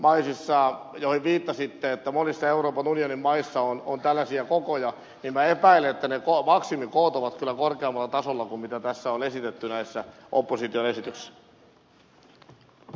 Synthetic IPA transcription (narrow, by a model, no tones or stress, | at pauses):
mɑisisːɑːjohiʋʋiːt̪ːɑsit̪ːeet̪ːæmonisːɑeuɾoːpɑnunionimmɑisːɑonont̪ælːæsiækokojɑ | nimmæepæileet̪ːænekomɑksimikoːt̪oʋɑt̪kylːækorkeɑmːɑlːɑt̪ɑsolːɑkummit̪æt̪æsːæonesit̪et̪ːynæisːæ | ʔopːosit̪ionesit̪ysːæ̥